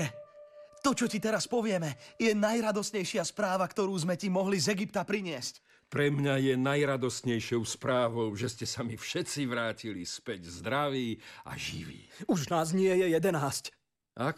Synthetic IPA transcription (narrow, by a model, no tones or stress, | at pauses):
ɛt̪ɔt͡ʃɔcit̪ɛɾaspɔʋɪɛmɛjɛnajɾad̪ɔsɲɛjʃɪaspɾaːʋakt̪ɔɾuːzmɛcimɔɦlizɛɡipt̪apɾiɲɪɛsc | pɾɛmɲajɛnajɾad̪ɔst̪ɲɛjʃɪɔʊspɾaːʋɔʊʒɛscɛsamifʃɛt͡siʋɾaːcilispɛɟzd̪ɾaʋiːa̰ʒḭʋḭːuʒnaːzɲɪɛjɛjɛd̪ɛnaːsc | a